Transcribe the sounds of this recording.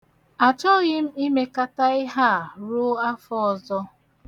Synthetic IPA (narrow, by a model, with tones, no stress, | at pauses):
a˨t͡ʃɔ˦ɣɪ˦m̩˦i˦me˦ka˦ta˦ɪ˦ɦa˦˨ɾʊ˦a˦fɔ˦ɔ˨zɔ˦